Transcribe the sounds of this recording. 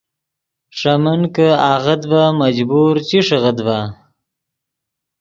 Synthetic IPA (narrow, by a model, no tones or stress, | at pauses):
ʂamənkəaɣəd̪bamad͡ʒbuɾt͡ʃiʂəɣəd̪ba